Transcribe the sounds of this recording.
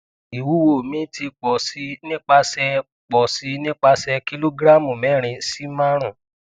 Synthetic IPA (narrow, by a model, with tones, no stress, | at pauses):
i˨wu˨˦wo˦˨mĩ˦ti˧k͡pɔ˨si˨˦nĩ˦k͡pa˧sɛ˧ | k͡pɔ˨si˨˦nĩ˦k͡pa˧sɛ˧ki˦lo˦ɡɾa˦˨mũ˨mɛ˨˦˨ɾ̃ĩ˧si˦mã˦ɾ̃ũ˨